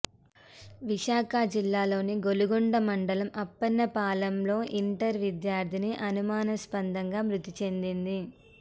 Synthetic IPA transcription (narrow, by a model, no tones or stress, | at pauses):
ʋiʃaːkad͡ʒilːaːlo̞ːniɡo̞luɡoɳɖɐmɐɳɖɐlɐmɐpːɐnːɐpaːlɐmlo̞ːʔiɳʈɐɾʋid̪jaːɾt̪ʰiniʔɐnumaːnɐspɐnd̪ʱɐŋɡaːmɾut̪ːit͡ʃe̞nd̪ind̪i